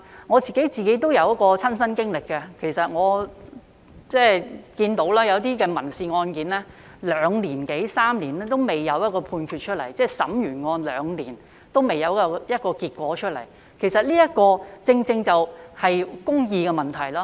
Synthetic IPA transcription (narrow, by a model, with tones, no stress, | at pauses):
ŋɔː˨˧t͡siː˨ke˨˥jt͡siː˨ke˨˥jt̪̬o˥wjɐ˨˧wjɐ˥tkɔː˧t͡sʰɐ˥nsɐ˥nkɪ˥ŋlɪ˨kːɛ˧kʰe˨˩jsɐ˨t̚ŋɔː˨˧ | t͡sɛː˥˩kiː˧nt̪o˨˥wlaː˥jɐ˨˧wt̪iː˥kɛː˧mɐ˨˩nsiː˨˧ŋɔː˧nkiː˨˥nlɛː˥ | lœː˨˧ŋliː˨˩nke˨˥jsaː˥mliː˨˩nɛː˥t̪o˥wme˨jːɐ˨˧wjɐ˥t̚kɔː˧pʰuː˧nkʰyː˧t̚t͡ʃʰɵ˥t̚lɐ˨˩jt͡sɛː˥˩sɐ̰˨˥mjyː˨˩nŋɔː˧nlœː˨˧ŋliː˨˩n | t̪o˥wme˨jɐ˨˧wkɔ˧jɐ˥t̚kɔː˧kiː˧t̚kʷɔː˨˥t͡ʃʰɵ˥t̚lɐ̰˨˩j | kʰe˨˩jsɐ˨t̚liː˥jɐ˥t̚kɔː˧t͡sɪ˧ŋt͡sɪ˧ŋt͡sɐ˨whɐ˨jkʊ˥ŋjiː˧kɛ˧mɐ˨nt̪ʰɐ˨˩jlaː˥